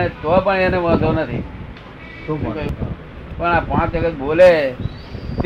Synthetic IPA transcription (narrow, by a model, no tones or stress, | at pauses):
et̪oapəɳẽneʋət̪onət̪ʰḭ | k | pəɳapãːt͡ʃəkət̪̚bole | t̪